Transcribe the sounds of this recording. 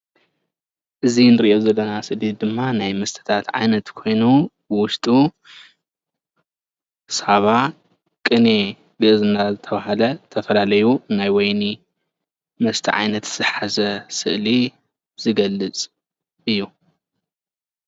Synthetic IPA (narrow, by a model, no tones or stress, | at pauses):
ʔɨzinɨɾiʔowzɐlːɐnasɨʔlid̪ɨmːanajmɐst̪ʰɐ̥t̪ʰat̪ʕa̰jnɐt̪kʰo̞jnubɨwʊʃt̪ʼu | saβa | kʼɨne | ɡɐzɨnːazɨt̪ʰɐβaɦalɐt̪ʰɐfɐlalɐjunajwɔjni | mɐst̪ʰiʕa̰jnɐt̪z̥ɨħazɐsɨ̰ʔli | z̥ɨɡɐlːɨt͡sʼ | ɨjːu